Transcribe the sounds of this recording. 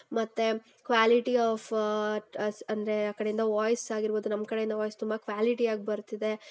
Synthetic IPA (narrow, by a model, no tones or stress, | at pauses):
mɐt̪ːe | kʋaːliʈiaːf | ɐnd̪ɐɾe̞akɐɽejind̪ɐʋaːjsaːɡiɾboːd̪unɐmkɐɽejind̪ɐʋaːjst̪umbɐkʋaːliʈiaːɡibɐɾt̪ːid̪e̞